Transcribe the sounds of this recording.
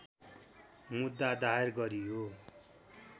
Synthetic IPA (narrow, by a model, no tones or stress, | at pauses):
mud̪ːad̪aerɡʌɾijo